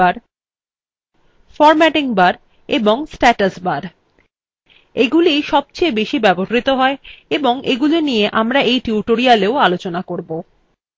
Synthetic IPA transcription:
aɾ | fɔɾmɛʈiŋbaɾ | eboŋsʈɛʈasbaɾ | eɡuliʃɔb̚t͡ɕejbeʃibɛboɦɾit̪oɦɔeeboŋʔeɡulinijeʔamɾaʔejʈiuʈoɾialeoalot͡ɕonakoɾbo

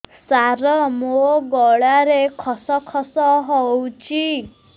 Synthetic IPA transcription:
saɾɔmoɡɔɭaɾekʰɔsɔkʰɔsɔɦɔwt͡ʃʰi

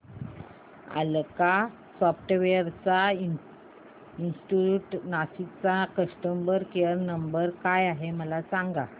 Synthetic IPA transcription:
a̰lka | sɔfʈʋeəɾt͡sa | insʈiuʈnasit͡sakəsʈəmbəɾkeəɾnəmbəɾkajaɦeməlasaŋɡa̰

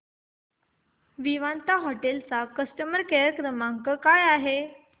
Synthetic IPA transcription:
ʋiʋant̪aɦoʈelt͡sakəsʈəməɾkeəkɾəmãŋkəkajaɦe

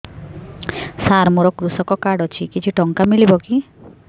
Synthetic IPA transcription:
saɾmuɾɔkɾusɔkɔkaɽɔt͡ʃʰikit͡ʃʰiʈɔŋkamilibɔki

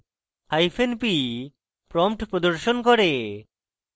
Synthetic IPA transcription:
ajpʰenpi | pɾɔmʈpɾod̪oɾʃonkɔɾe

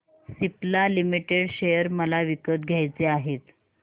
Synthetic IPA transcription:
siplalimiʈeɽɕejəɾməlaʋikət̪ɡʱjajt͡seaɦet̪

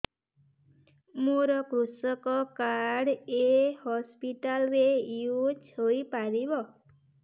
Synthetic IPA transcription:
moɾɔkɾusɔkɔkaɽehɔspiʈalɾeiot͡ʃʰoipaɾibɔ

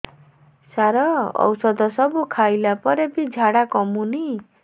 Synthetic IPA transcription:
saɾɔɔ̰wsɔd̪ɔsɔbukʰajlapɔɾebid͡ʒʱaɽakɔmuni

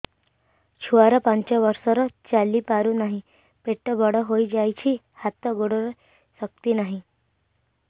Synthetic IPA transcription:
t͡ɕʰuʋaɾəpãɲt͡ɕaʋəɾsɔɾɔt͡salːiːpaɾuːnaɦi | peʈːəbəɽəɦoid͡ʑajt͡ɕʰiː | hat̪ːəɡoɽəɾ | sək̚t̪iːnaɦĩ

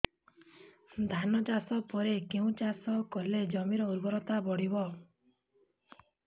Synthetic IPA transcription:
d̪ʱanɔd͡ʒasɔpɔɾekeũt͡ʃasɔkɔled͡ʒɔmiɾɔuɾbɔɾɔt̪abɔɽibɔ

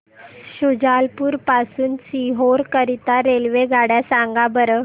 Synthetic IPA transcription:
ɕud͡ʑalpuːɾpasuːnt͡siɦoɾkəɾit̪aɾelʋeɡʱaɽjasãŋɡabəɾə

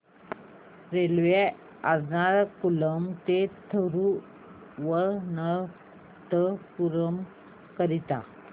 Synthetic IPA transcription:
ɾelʋe | ad͡znaɾkuləmt̪et̪ʰəɾu | ʋənə | t̪əpuɾəm | kəɾit̪a̰

